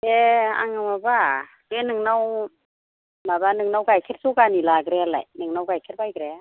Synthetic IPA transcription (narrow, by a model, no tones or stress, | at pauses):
ea̰ŋamaba | kenɯŋnaw | labanɯŋnawɡajkʰet̚sukanilaɡɾɛla̰jnɯŋnawkajkʰɛt̚bajɡɾɛ